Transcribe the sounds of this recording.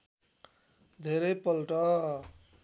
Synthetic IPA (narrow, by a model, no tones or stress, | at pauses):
d̪ʱeɾʌjpʌlʈʌ